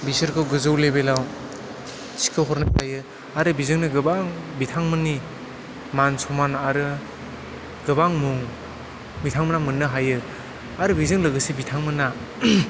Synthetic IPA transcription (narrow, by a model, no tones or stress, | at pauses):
bisɯɾkʰɯwɡɯzɯwlebelaw | si̥kʰɯɦɔɾnatajɯ | aɾɯbizɯŋnɯɡɯbaŋbitʰaŋmɯni | mansɔmanaɾɯ | ɡɯbaŋmuŋ | bitʰaŋmɯnamɯnːɯɦajɯ | aɾɯbizɯŋlɯɡɯsibitʰaŋmɯna